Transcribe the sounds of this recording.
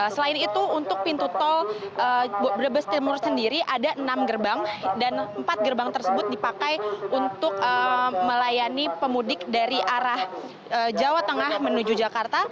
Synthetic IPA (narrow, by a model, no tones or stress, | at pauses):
səlaɪnit̪uːnt̪ʊk̚pint̪ut̪ɔlʔəbbəɾəbəst̪imursəndiɾiʔadaʔənamɡərbaŋdanəmpat̪̚ɡərbaŋt̪ərsəbʊt̪̚dipakajunt̪ʊk̚əməlajanipəmudɪk̚daɾiʔaɾah | əd͡ʒawat̪əŋahmənud͡ʒud͡ʒakart̪a